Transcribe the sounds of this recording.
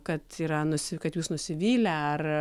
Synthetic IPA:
kɐt̪iːɾɐnʊsʲɪkɐt̪juːsnʊsʲɪʋʲiːlʲɛɐr

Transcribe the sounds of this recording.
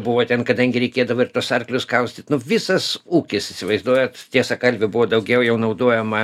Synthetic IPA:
bʊʋoːt̪ʲɛnkɐd̪ɐŋʲɡʲɪɾʲɛɪkʲeːd̪ɐʋoːɪrt̪uɔsɐrklʲʊskɐʊsʲt̪ʲɪt̪nʊʋʲɪsɐsuːkʲɪsɪsʲɪʋɐɪzd̪uɔjɛtt̪ʲiɛsɐkɐlʲbʲɪbʊʋoːd̪ɐʊɡʲɛʊjɛʊnɐʊd̪oɔjɛmɐ

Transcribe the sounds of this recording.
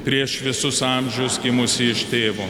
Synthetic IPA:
pʲɾʲiɛʃʋʲɪsʊsɑmʲʒʲɛʊsɡʲɪmʊsʲɪɪʃt̪ʲeːʋoː

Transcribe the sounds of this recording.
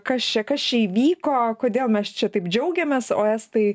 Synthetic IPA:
kɐst͡ʃʲɛkɐst͡ʃʲɛiːʋʲiːkoːkoːd̪ʲeːlˠmʲɛst͡ʃʲɛt̪ɐɪpd͡ʒʲɛʊɡʲɛmʲeːso̰ːɛst̪ɐɪ

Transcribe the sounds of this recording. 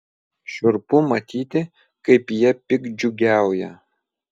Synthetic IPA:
ʃʊrpʊmɐt̪ʲʰiːt̪ʲɪ | kɐɪpjɛpʲɪkd͡ʒʊɡʲæwjɛ

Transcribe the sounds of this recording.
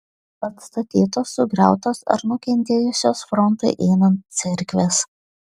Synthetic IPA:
pɐt̪st̪ɐt̪ʲiːt̪oːsːʊɡɾʲæ̰ˑʊt̪oːsɐ̰ɾnʊkʲɛnʲt̪ʲeːjʊsʲoːsfɾɔnˑt̪ɐɪʔɛɪnɐnt̪̚sʲɪɾʲkʲʋʲes

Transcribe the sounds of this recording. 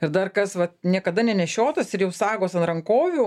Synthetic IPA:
ɪɾd̪ɐrkɐsʋɐt̪nʲiɛkɐd̪ɐnʲɛnʲɛʃʲoːt̪ɐsɪɾjɛʊsɑːɡoːsɐnɾɐŋkoːʋʲuː

